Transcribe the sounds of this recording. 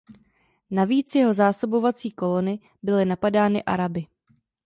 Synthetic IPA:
naviːt͡sjɛɦo̞zaːsobo̞vat͡siːko̞lo̞nɪ | bɪlɪnapadaːnɪʔa̰ɾabɪ

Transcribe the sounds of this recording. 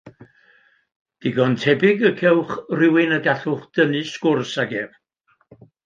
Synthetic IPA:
d̥ɪɡɔntʰɛbɪɡəkʰɛwχrɪwɪnəɡaɬʊχd̥ənɨskʊrsaɡɛv

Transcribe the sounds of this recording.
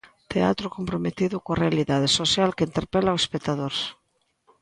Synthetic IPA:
t̪ea̰t̪ɾʊkompɾomet̪iðʊkoarealiðaðesosjalkeint̪eɾpelaoespek̚t̪aðoɾs

